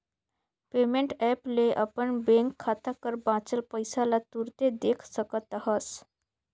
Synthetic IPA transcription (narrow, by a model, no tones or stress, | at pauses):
pemeɳʈɛpleʔapəɳbeŋkʰːat̪akəɾbãt͡səlpəjsalat̪uɾt̪ed̪ekʰsəkət̪aɦəs